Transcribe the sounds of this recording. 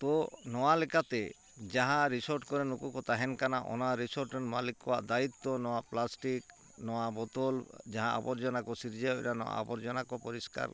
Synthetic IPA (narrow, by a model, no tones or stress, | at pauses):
t̪ɔnɔwalɛkat̪e | d͡ʒaɦãɾisɔɾʈkɔɾenukukɔt̪aɦɛnkanaʔɔ̰naɾisɔɾʈɾenmalikːɔwaʔd̪ait̪ːɔnɔwaplasʈik | nɔwabɔt̪ɔld͡ʒaɦãʔa̰bɔɾd͡ʒɔnakɔsiɾd͡ʒaɔɛ̰ɾanɔwa̰a̰bɔɾd͡ʒɔnakɔpɔɾiska̰ɾ